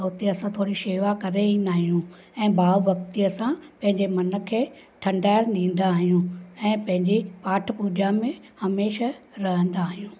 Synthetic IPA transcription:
oːt̪iɐsãt̪ʰoːɽiʃeːʋakɐɾeĩnaːɦijũ | ɛ̃ːbaːbɐk̚t̪iɐsãpɐ̃ɦɪ̃ɲd͡ʑemɐnə̆kʰeː | ʈʰɐ̃ɳɖaːɪɾnĩːn̆d̪aːɦijũɛ̃ːpɐ̃ɦɪ̃ɲd͡ʑipaːʈʰəpuːd͡ʑamẽhɐmeːʃaɾɐɦə̃nd̪aːɦijũː

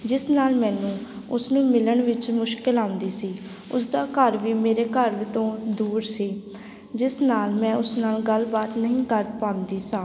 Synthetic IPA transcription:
d͡ʒɪsnaːlmɛ̃ːnũː | ʊsnũːmɪləɳʋɪt͡ʃmʊʃkɪlãːʊ̃nd̪iːsiː | ʊsd̪aːkəɾʋiːmeːɾeːkəɾʋit̪õːd̪uːɾsiː | d͡ʒɪsnaːlmɛ̃ːʊsnaːlɡəlbaːt̪nəɦĩːkəɾʈpãːnd̪iːsãː

